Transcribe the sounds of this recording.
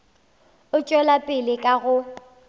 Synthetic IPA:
ʊt͡ʃʼɔlapʼɪlɪkʼaɣʊ

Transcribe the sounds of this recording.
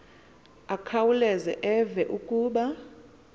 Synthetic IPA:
akʰawulɛzɛʔɛvɛʔukʼuːɓa

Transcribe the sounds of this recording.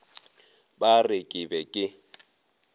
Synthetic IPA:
barɪkʼɪbɛkʼɪ

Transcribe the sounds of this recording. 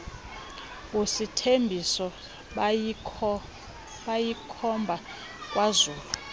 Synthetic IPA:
ositʰembʱisɔ | ɓajikʰɔmbʱa | kʼwazuːlu

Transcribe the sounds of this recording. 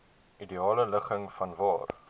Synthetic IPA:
ʔidiɑːlələχəŋfɐnvɑːr

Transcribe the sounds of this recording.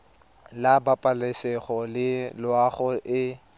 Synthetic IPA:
labapʼalɛsɛχɔlɪlʊaχɔʔɪ

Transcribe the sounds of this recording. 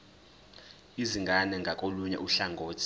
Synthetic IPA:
iziŋɡʱanɛŋɡʱakʼoluɲɛ̰ʔuɬaŋɡʱoːtʰi̥

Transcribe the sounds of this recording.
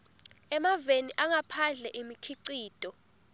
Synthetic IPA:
ɛmaveniʔaŋapʰaɮɛʔimikʰiǀiːd̥ʱʼɔ

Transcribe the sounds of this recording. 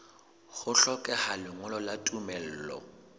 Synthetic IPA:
ɣʊɬɔkʼɛhalɪŋʊlɔlatʼumɛl̩ːlɔ̰

